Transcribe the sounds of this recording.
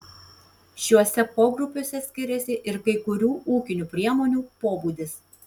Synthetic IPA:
ʃʲuɔsʲɛpoːɡɾʊpʲoːsʲɛsʲkʲɪɾʲɛsʲɪʔɪɾkɐɪkʊɾʲuːuːkʲɪnʲuːpʲɾʲiɛmoːnʲuːpoːbuːd̪ʲɪs

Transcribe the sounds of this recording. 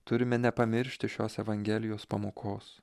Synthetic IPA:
t̪ʊɾʲɪmʲɛnʲɛpɐmʲɪɾʲʃʲt̪ʲɪʃʲoːsɛʋɐŋʲɡʲɛlʲɪjoːspɐmoːkʰoːs

